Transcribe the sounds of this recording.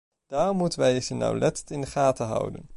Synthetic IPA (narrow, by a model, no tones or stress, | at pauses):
d̥aːrɔmːutənʋɛjɪsənːɑ̰wlɛttɪndəχaːtəɦʌ̰wdə̰n